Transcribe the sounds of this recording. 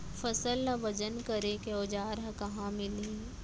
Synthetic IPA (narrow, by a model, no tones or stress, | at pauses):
fɐsəlnɐʋɐd͡ʒənkɐɾekeod͡ʒaːɾɦəkɐɦãmɪlɦiː